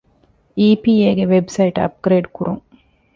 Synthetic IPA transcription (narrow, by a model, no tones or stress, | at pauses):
iːpiːeːɡeʋebsɐiʈɐ̰p̚ɡɾeːɖkuɾuŋ